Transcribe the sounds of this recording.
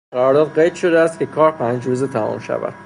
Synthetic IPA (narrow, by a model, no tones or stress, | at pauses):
ɡæɾɒːɾd̪ɒːd̪ɢejd̪ʃo̞d̪eæst̪kʲcʰe̞kʰɒːɾpʰænd͡ʒɾuːzet̪ʰæmṵːmʃæ̰væ̰d̪̥